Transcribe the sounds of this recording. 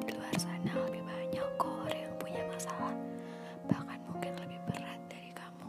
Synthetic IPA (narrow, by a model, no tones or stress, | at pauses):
duarsanaabibaɲakɔɾjaŋpuɲakasawan | b̥ahkanmuŋkɪnləbɪhbərat̪̚daɾikamu